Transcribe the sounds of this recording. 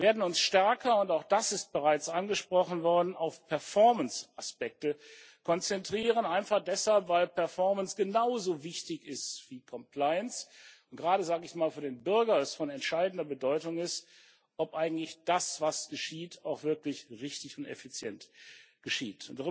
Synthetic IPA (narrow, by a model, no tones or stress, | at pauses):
veːɐdn̩ʊnsʃtɛɐkʰɐʊntaʊxd̥asɪst̚b̥əʁaɪt͡sʔanɡəʃpʁ̥ɔχn̩vɔɐdn̩aʊfpʰɛɐfɔɐmənsaspɛk̚tə | kʰɔnt͡sɛntʁ̥iːʁ̞ənaɪnfaχd̥ɛshalpv̥aɪlpʰɛɐfɔɐmənsɡ̥ənaʊzoːvɪçtɪçɪstv̥iːkʰɔmpʰl̥aɪənsʊntɡ̥əʁaːɾəzaːɡəɪçmaːlfyːɐdeːnbʏɐɡɐɛsfɔnɛntʃaɪdn̩dɐbədɔʏtʊŋɪst | ʔɔpʔaɪɡŋ̩tlɪçd̥asv̥asɡ̥əʃiːtʰaʊxv̥ɪɐklɪçʁɪçtɪçʊntɛ̰fit͡sjɛnt | ɡ̥əʃiːtʰʊntd̥a